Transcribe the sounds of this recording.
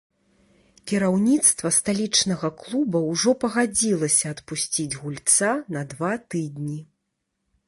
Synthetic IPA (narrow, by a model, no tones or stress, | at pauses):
kʲiɾawnʲit̪st̪vɐst̪alʲit͡ʂnɐɣɐklˠubɐwʐɔpɐɣad͡zʲilˠɐsʲɐːt̪pusʲt͡sʲid͡zʲɣulʲt̪sanɐd̪vat̪ɨd̪ʲnʲi